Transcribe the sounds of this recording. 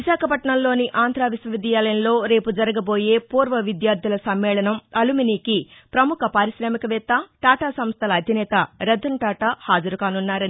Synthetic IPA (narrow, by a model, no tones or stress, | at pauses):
ʋiʃaːkɐpɐʈɳɐmlo̞ːniʔaːnd̪ʱɾaːʋisʋɐʋid̪ijaːlɐnlo̞ːɾe̞ːpud͡ʒɐɾɐɡɐboːje̞ːpuːɾʋɐʋid̪jaːɾd̪ʱjulɐsɐmːɛːlɐnɐmɐluminiːkipɾɐmukʰɐpaːɾiʃɾaːmikɐʋɛːt̪ːaʈaːʈaːsɐmst̪ʰɐlɐːd̪ʱinɛːt̪ɐɾɐd̪ʱːɐɳʈaːʈaːhaːd͡ʒɐɾukaːnunːaːɾɐni